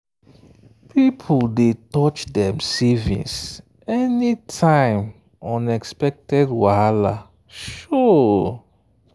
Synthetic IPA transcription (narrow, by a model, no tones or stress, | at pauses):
pʰipʰuldetɔt͡ʃdɛ̃msivḭ̃ns | ɛnitʰãɪ̃m | ɔ̃nɛkspɛk̚tɛdwaala | ʃɔ